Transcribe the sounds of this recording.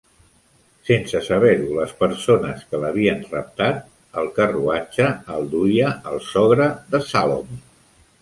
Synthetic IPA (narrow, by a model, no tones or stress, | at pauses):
sensəsəβɛɾuləspəɾsonəskələβ̞iənrəp̚t̪at̪̚ | əlˠkəruat͡ʃəːlˠd̪ujəəlˠsɔɣɾəðəsalo̰m